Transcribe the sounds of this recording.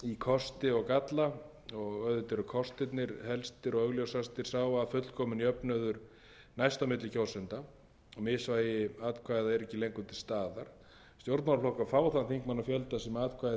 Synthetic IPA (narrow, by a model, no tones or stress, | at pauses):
ikʰɔst̪ɪɔɣkat̪la | ɔɣœðʏt̪ɛɾʏkʰɔst̪ɪt̪nɪɾhɛlst̪ɪɾɔɣœɣljowsast̪ɪɾ̥saːwvaːfʏt̪l̥kʰɔːmʏniœpnœðʏɾ̥ | najst̪awmɪt̪lɪcʰaw̪sʏnt̪a | ɔmɪsvaːjɪaːt̪kʰvaːjðaɛɾɛcːɪlejŋkʏt̪ʰɪlst̪aːðaɾ̥ | st̪jowɾt̪maɾflɔwhkafaːwθanθiŋkmanːafjœlt̪asɛmaːt̪kʰvaj